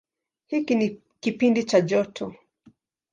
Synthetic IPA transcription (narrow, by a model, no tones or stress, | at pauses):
hikini | kipindit͡ʃaʄɔtʰɔ